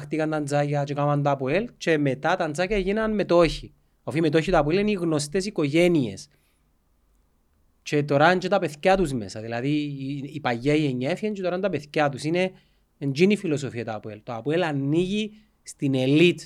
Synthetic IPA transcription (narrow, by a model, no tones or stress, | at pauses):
xt̪ikɐnt̪ɐnd͡zɐcɐt͡ʃekamɐnt̪oɐpuelt͡ʃe̞me̞t̪ɐt̪ɐnd͡zacɐʝinɐnme̞t̪o̞çi | ofime̞t̪̬o̞çit̪oɐpueliniɣno̞st̪e̞siko̞ʝe̞nie̞̰s | t͡ʃe̞t̪o̞ɾand͡ʒet̪ɐpe̞θcɐt̪uzme̞̰sɐðilɐðiipɐjːeieɲːaefient͡ʃet̪oɾɐnt̪ɐpeθcɐt̪usine̞ː | nd͡ʒinifilo̞sofiɐt̪ɐpue̞lt̪oɐpue̞lɐnːiʝi | st̪ine̞lit̪